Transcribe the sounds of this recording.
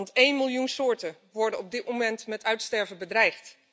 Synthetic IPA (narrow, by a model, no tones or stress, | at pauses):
ntejnmɪlˠjunsʊːɹtə | ʋɔɹdəɔb̚dɪt̚momɛntmɛtœɥtstɛɹvəbədrɛjχt